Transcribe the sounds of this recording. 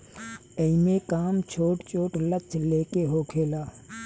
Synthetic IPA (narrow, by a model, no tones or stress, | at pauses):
əimẽkaːmt͡ʃʰoːʈt͡ʃoːʈlət͡ʃleːkeɦoːkʰeːlaː